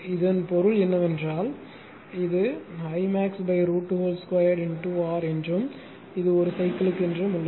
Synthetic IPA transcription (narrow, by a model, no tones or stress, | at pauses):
ɪðɐnpɔɾɯɭɛnːɐʋɛndraːl | ɪðɯhɐɪmaːksbɐɪɾuːʈːɦoːlskʋɐjɐɾɾɪɳʈuaːɾɛndrɯm | ɪðɯɔɾɯsɐɪkːɐlɯkːɛndrɯmʊlːɐ